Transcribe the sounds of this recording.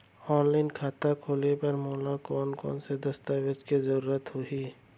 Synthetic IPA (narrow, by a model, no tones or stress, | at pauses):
ɔːnlaːɪnkʰaːt̪akʰoːlepɐɾmoːlakɔːnkɔ̰ːnsed̪ɐst̪aːwɪd͡ʒkizəɾuːɾət̪ɦoiː